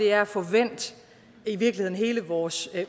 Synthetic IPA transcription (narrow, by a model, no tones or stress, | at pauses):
e̝æɐæfɒʋen̰d̥ | iʋiɐɡ̥lihe̝ð̰ˠnɦe̝ːləʋɒːs